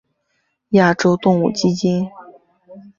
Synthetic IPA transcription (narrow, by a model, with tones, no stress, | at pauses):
ja˥˩ʈ͡ʂo˥ʊt̪ʊ˥˧ŋu˥˩t͡ɕi˥t͡ɕi˥n